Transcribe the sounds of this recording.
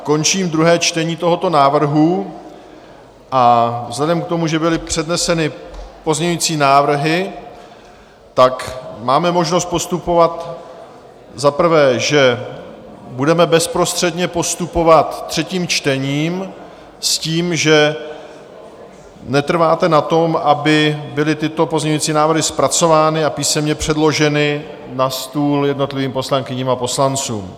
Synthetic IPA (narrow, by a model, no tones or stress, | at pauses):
ko̞nt͡ʃiːmd̪ɾuɦɛːt͡ʃt̪ɛɲiːt̪o̞ɦo̞t̪o̞naːvr̩ɦu | ʔavzlɛdɛmk̚t̪o̞muʒɛbɪlɪpr̝̥ɛdnɛsɛnɪpo̞zɲɛɲujiːt͡siːnaːvr̩ɦɪ | t̪akmaːmɛmo̞ʒno̞st̪̚po̞st̪upo̞vat̪ | zapr̩vɛːʒɛ | budɛmɛbɛspɾo̞st̪r̝̥ɛdɲɛpo̞st̪upo̞vat̪t̪ːr̝̥ɛciːmt͡ʃt̪ɛɲiːm | sciːmʒɛ | nɛt̪r̩vaːt̪ɛnat̪o̞mʔabɪbɪlɪt̪ɪt̪o̞po̞zɲɛɲuiːt͡siːnaːvɾ̩ɦɪspɾat͡so̞vaːnɪapiːsɛmɲɛpr̝̥ɛdlo̞ʒɛnɪ | nast̪uːljɛdno̞t̪lɪviːmpo̞slaŋkɪɲiːmapo̞slant͡sṵːm